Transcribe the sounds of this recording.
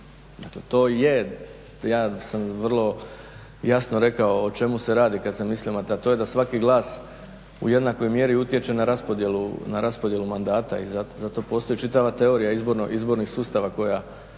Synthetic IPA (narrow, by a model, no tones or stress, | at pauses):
d̪akle̞t̪o̞ːje | jaːsamʋr̩lˠo̞ | jasnoɾe̞kao̞ːt͡ʃe̞muse̞ɾaːd̪ikad̪semisliomat̪eat̪o̞je̞d̪asʋakiɡlˠaːs | ṵje̞d̪nako̞jmje̞ɾiut̪je̞t͡ʃe̞naɾaspod̪jelṵnaɾaspod̪je̞lumand̪aːt̪a̰ḭzazat̪o̞po̞st̪o̞jit͡ʃit̪aʋat̪e̞o̞ɾijaizbo̞ɾnoʔizbo̞ɾnixsuːst̪aʋako̞ja